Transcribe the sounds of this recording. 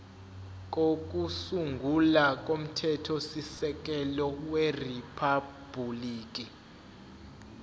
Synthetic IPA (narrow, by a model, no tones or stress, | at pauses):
k̬ok̬ʼusuŋɡʱulak̬ʼom̩tʰɛtʰɔsisɛk̬ɛlɔweripʰab̥uliːk̬ʼi